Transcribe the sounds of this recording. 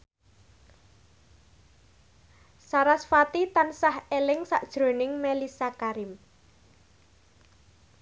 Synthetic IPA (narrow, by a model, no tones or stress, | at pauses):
saɾasfat̪it̪ansahelɪŋsa̰ʔd̥ʒ̥ɾo̤nɪŋmelisakaɾɪm